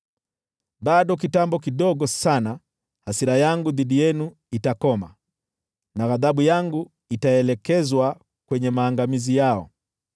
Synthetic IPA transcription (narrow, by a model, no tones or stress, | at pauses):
ɓaɗɔk̬itambɔk̬iɗɔɡɔsana | hasiɾajaŋɡuðiɗijɛnu | itakɔma̰ | naɣaðaɓujaŋɡu | itaɛlɛkɛzwa | kwɛɲɛmaːŋɡamizijaɔ̰